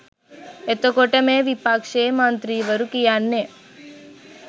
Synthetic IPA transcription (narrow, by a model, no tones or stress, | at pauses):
et̪okoʈɐmeːʋipakʂeːmɐnt̪ɾiːʋɐɾukijaːnːe